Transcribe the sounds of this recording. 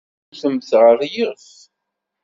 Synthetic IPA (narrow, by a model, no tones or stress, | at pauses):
θəmθʁəɾˤjiʁθ